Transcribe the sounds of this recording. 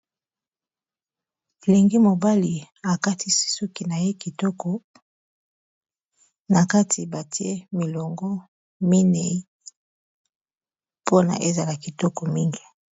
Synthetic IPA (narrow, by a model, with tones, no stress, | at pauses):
e˨le˨ŋɡi˦mo˨ba˦li˨ | a˨ka˦tʰi˦si̥˦sɔ˦ki˨na˨je˦ki˨tɔ˦kɔ˨ | na˨ka˦tʰi˨ba˨ti˦e˦mi˨lɔ˨ŋɡɔ˦ | mi˦ne˨i˦ | po˦na̰˨ʔe˦za˨la˨ki˨tɔ˦kɔ˨mi˦ŋɡi˦